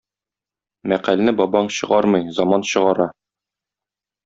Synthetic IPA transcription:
mæqælnɘbɒbɑɴɕɤ̆ʁɑɾmɤjzɒmɑnɕɤ̆ʁɑɾɑ

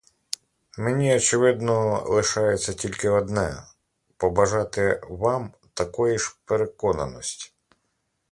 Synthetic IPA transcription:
menʲiɔt͡ʃeʋɪd̪nɔlˠɪʃɑjet͡sʲːɐtʲilʲkɪɔd̪nɛ̰ | pɔbɐʒɑt̪ɪʋɑm | t̪ɐkɔjiʃpeɾekɔnɐ̰nɔsʲtʲi̥

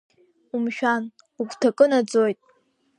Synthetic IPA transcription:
umʃᶣan | ukʷtʰakʼɨnad͡zojtʼ

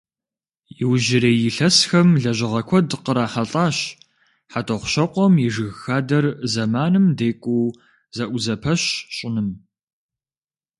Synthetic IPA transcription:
jɪwʒɪɾeːjɪɬɐsxɐmɮɐʑɪʁɐkʷʰɔdqəɾaːħaɬʼaːɕ | ħatʰʼɐχʷʊɕɐqʷɔmjiʒɨɣxaːdɐrzɐmaːnɨmdeːkʷʼuː | zɐʔʷʊzɐpʰɐɕɕʼɪnɨm

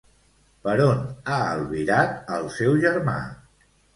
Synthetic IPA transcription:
pəɾonaəlˠβiɾat̪əlˠsɛwʒəɾma̰

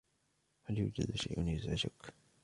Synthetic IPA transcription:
haljuːd͡ʒa̰d̪ʃa̰jʔʊnjʊzad͡ʒʊk

